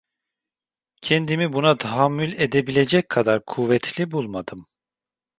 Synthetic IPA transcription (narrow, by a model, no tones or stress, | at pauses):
cʰɛnd̪imibunat̪ʰaɦamːylʲed̪ebilʲe̞d͡ʒɛc̚kʰad̪aɾkʰuvɛt̪ʰlʲibulˠmad̪ɯm